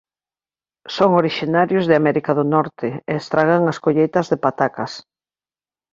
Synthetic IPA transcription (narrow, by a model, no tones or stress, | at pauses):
soŋoɾiʃinaɾjʊzðɪamɛɾikaðʊnɔɾt̪ɪeːst̪ɾaɣ̞aŋɐskoʎejt̪ɐzðepat̪akɐs